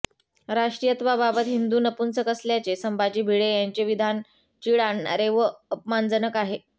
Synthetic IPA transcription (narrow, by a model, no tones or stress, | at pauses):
ɾaʂʈɾijət̪ʋababət̪ɦind̪uːnəpunt͡səkəsljat͡ɕesəmbʱad͡ʑiːbʱiɭejaɲt͡ɕeʋid̪ʱan | t͡ɕiɭanɾeʋəəpmand͡zənəkaɦe